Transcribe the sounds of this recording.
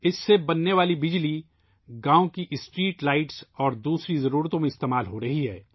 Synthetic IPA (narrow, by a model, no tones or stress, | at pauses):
ɪsːebɐnːeʋaːlibɪd͡ʒli | ɡãːõkiʔɪsʈɾiːʈlaːɪʈsɔːɾd̪uːsɾizɐɾuːɾt̪õmẽɪst̪eːmaːlɦoɾɐɦiɦɛ̰ː